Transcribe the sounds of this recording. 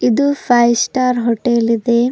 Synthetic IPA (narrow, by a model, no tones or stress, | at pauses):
id̪upʰajsʈaːɾɦoʈelid̪e